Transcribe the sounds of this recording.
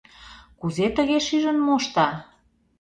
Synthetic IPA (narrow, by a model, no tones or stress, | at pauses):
kuzet̪ə̆ɣeʃyʒə̆nmoʃt̪ɑ